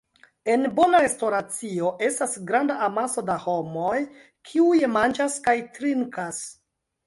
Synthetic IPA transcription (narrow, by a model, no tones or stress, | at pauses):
e̞nbo̞naɾe̞stoɾat͡sio̞ʔe̞stasɡɾandaʔamaso̞daho̞moj | kʰiujemand͡ʒaskajtɾiŋkas